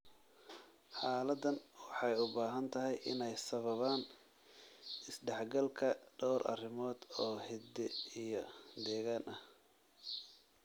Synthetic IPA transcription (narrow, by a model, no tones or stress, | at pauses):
ħɑːlɐd̪ɐnwɑħɑjʊbaːɦɐnt̪ʰɐɦɛjʔɪnɛjsɐβɐβaːn | ɪsɖɛħɡɐlkʰɐɖ̥ɔwɾʔɐ̰rɪmɔːd̪̥ɔːhɛd̪ɛijɔd̪ɛːɣaːnʔɐh